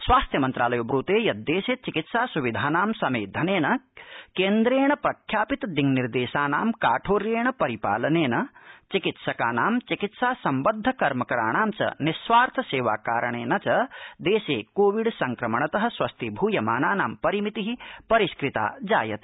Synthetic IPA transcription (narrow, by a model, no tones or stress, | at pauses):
sʋaːst̪ʰjɐmɐnt̪ɾaːlɐjobɾuːt̪eːjɐt̪̚d̪eːseːt͡ʃikit̪saːsuʋid̪ʱaːnaːmsɐmḛːd̪ʱɐneːnɐkeːnd̪ɾeːɳ̃ɐpɾɐkʰjaːpit̪d̪iŋniɾd̪eːʃaːnaːmkaːʈʰoːɾjeːɳɐpɐɾipa̰ːlɐneːnɐt͡ʃikit̪sɐkaːnaːmt͡ʃikit̪saːsɐmbɐd̪ʱːɐkɐɾmɐkɐɾa̰ːɳaːmt͡ʃɐ̰nisʋaːɾt̪ʰɐseːʋa̰ːkaːɾɐɳ̃eːnɐt͡ʃɐd̪eːseːkoːʋiɽsɐŋkɾɐmɐɳ̃ɐt̪ɐɦɐ̆swɐst̪ʰibʱuːjɐmaːnaːna̰ːmpɐɾimit̪iɦipɐɾiskɾit̪a̰ːd͡ʒa̰ːjɐt̪